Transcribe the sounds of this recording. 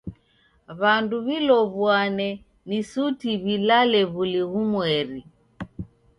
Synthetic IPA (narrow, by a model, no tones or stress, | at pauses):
βanduβilɔβwanɛ | nisutiβilalɛβuliɣumwɛɾi